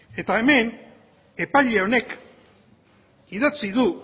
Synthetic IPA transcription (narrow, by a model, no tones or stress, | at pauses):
e̞t̪aeme̞n | e̞paʎe̞o̞ne̞k | iðat͡siðu